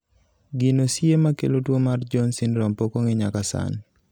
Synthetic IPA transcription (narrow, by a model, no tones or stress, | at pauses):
ɡinosjemakḛlotwomard͡ʒɔnsɪnɾɔmpokoŋɪɲakasa̰n